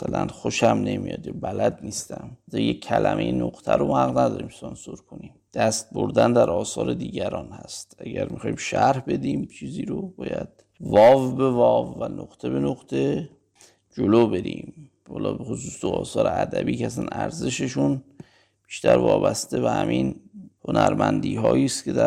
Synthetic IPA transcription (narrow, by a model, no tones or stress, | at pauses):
æsælænxo̞ʃæmne̞mijɒːd̪jɒbælæd̪niːst̪æmt̪ʰijekʰːælæmʔe̞jenoqt̪ʰæɾomhæɣnæd̪ɒːɾiːmsɒnsoɾkʰo̞nimd̪̥æst̪̚boɾd̪ænd̪æɾɒːsɒːɾe̞d̪iːɟæɾɒːnhæst̪æɟæɾmixɒːimʃæɾhbe̞d̪iːmt͡ʃʰiːziːɾobɒːjæd̪̥̚ | vɒːvbe̞vɒːvːænoqt̪ʰe̞be̞noqt̪ʰe̞ | d͡ʒoloːbe̞ɾiːm | hɒːlɒ̰ːbexosuːsd̪oɒːsɒːɾeæd̪æbiːkeæsænæɾze̞ʃeʃun | b̥iʃt̪ʰæɾvɒːbæst̪e̞behæmʔinhonæɾmænd̪iːɦɒːiːst̪kcʰed̪æ